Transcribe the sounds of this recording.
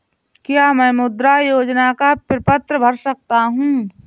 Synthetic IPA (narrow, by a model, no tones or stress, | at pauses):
kjaːmɛ̃ːmʊd̪ɾajoːd͡ʒnakapɾɪpət̪ɾəbʱɐɾsɐk̚t̪aɦũː